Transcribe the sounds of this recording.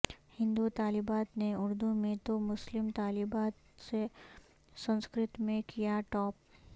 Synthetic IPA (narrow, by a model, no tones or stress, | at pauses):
hɪ̃nd̪ut̪aːlibaːt̪neʊɾd̪umẽt̪omʊslɪmt̪aːlibaːt̪ | se | sə̃nskɾɪt̪mẽkijaʈɔːp̚